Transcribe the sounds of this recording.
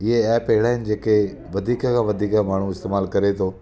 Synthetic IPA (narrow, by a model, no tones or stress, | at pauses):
ɪɦeɛːpɐɦɪɭaːɪnɪ̆d͡ʑeːke | ʋɐd̪ʱiːkəkʰãːʋɐd̪ʱiːkamaːɳ̤uɪst̪eːmaːlkɐɾet̪ʰoː